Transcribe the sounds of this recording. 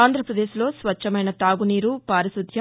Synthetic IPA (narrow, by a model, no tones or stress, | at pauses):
aːnd̪ʱɾɐpɾɐd̪eːʃlo̞ːsʋɐt͡ʃːɐmɐjnɐt̪aːɡuniːɾupaːɾisud̪ʱjɐ